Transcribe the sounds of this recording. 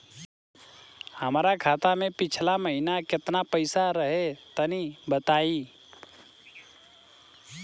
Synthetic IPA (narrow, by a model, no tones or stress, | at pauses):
həmɾakʰaːt̪amẽpɪt͡ʃʰlaməɦinakɪt̪napəɪsaɾəɦet̪ənibət̪aːi